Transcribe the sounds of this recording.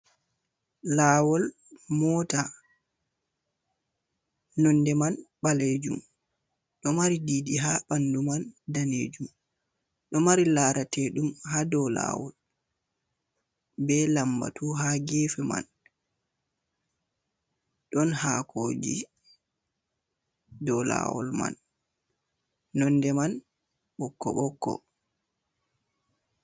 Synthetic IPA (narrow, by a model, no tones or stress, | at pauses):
laːwɔl | mɔta | nɔndɛmanɓaled͡ʒṵm | ɗɔmaɾidiːdiɦaɓandumandaned͡ʒum | ɗɔmaɾilaːɾatɛɗumhadɔla̰ːwɔ̰l | bɛlamba̰tʰuɦaɡeːfɛma̰n | ɗɔnhaːkʰoːd͡ʒḭ | dɔla̰wɔ̰lma̰n | ɔndɛman | ɓɔkːɔ̰ɓɔkːɔ̰